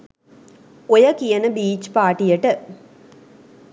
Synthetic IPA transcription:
ojɐkijɐnəbiːt͡ʃpaːʈijɐʈə

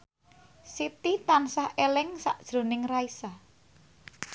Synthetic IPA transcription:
sit̪it̪ansahelɪŋsa̰ʔd̥ʒ̥ɾo̤nɪŋraisa

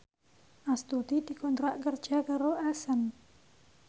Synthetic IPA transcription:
ʔast̪ut̪idikɔnt̪ɾaʔkərd͡ʒakaɾoʔasan

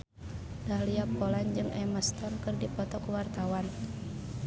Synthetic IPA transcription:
d̥aliapɔland͡ʒɨŋɛməst̪ɔnkɨrdipɔt̪ɔkuwart̪awan

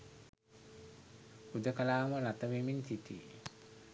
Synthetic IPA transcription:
pud̪əkəlaːməlat̪əʋiminsit̪i

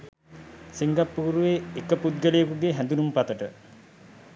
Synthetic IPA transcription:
siŋɡapːuːɾuʋeekəpud̪̚ɡəlejəkuɡeɦænd̪unumpat̪əʈə

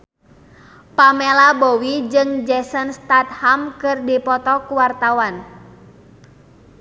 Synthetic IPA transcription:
pamelabowid͡ʒɨŋd͡ʒɛsənst̪at̪̚hamkɨrdipɔt̪ɔkuwart̪awan

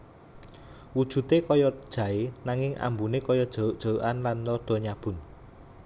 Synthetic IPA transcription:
wud̥ʒ̥ṳt̪ekɔjɔd̥ʒ̥ä̤enaŋɪŋʔa̰mbunekɔjɔd̥ʒ̥ɔ̤uʔd̥ʒ̥ɔ̤uʔanlanlɔɖ̥ɔ̤ɲab̥ʊ̤n

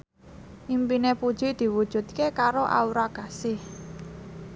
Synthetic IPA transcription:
ʔimpinepud̥ʒ̥i̤d̪̥i̤wud̥ʒ̥ṳt̪̚kekaɾoʔa̰uɾaɡ̥asɪh

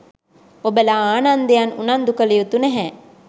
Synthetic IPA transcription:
obəlaaːnand̪ejanṵnand̪ukəlijut̪unɛɦɛ

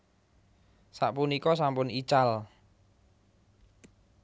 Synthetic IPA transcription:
saʔpunikɔs̬ampʊnit͡ʃal

